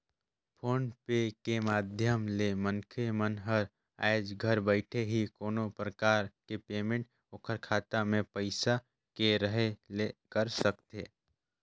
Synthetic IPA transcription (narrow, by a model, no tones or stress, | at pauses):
pʰoːnpekemaːd̪ʱjəmlemə̃ŋkʰemənɦəɾ | a̰ɪd͡ʒɡʱəɾbəɪʈʰeɦikoːnopɾəkaːɾkepeːmẽɳʈ | ʊkʰəɾkʰaːt̪amẽpəɪsa | keɾəɦelekəɾsəkt̪eː